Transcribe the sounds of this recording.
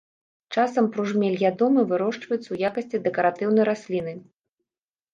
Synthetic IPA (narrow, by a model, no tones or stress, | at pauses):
t͡ʂasɐmpɾuʐmʲɛlʲjʲad̪ɔmɨvɨɾɔʂt͡ʂvɐjut̪sɐwjakɐsʲt͡sʲid̪ɛkɐɾat̪ɨwn̪ɐjɾasʲlʲin̪ɨ